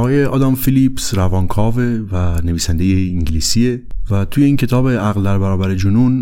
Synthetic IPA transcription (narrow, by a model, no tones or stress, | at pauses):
ɒːjeʔɒːd̪ɒːmfilipsɾævɒːnkʰɒːvevæne̞viːsænd̪ejeiŋɟliːsievæt̪ʰuːjeiːncʰe̞t̪ʰɒːbeʔæɣld̪æɾbæɾɒːbæɾed͡ʒonun